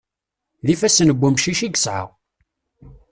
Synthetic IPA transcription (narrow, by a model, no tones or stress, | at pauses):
ðifæsnəbʷːumʃiʃiɡəsʕə̰ʁ